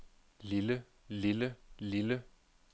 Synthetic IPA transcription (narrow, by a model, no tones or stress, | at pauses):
lɪlə | lɪləlɪlə